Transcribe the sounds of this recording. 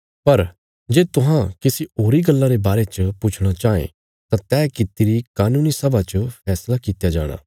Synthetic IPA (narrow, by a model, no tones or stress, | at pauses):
pɐɾ | d͡ʒeːt̪ʊɦãkɪsioːɾiɡɐlːãɾebaːɾet͡ʃəpʊt͡ʃʰɽ̃at͡ʃaːḛ̃ | t̪ãt̪ɛːkɪt̪iɾikaːnũːnisɐbat͡ʃəpʰɛːslakiːt̪jad͡ʒa̰ːɽ̃a̰ː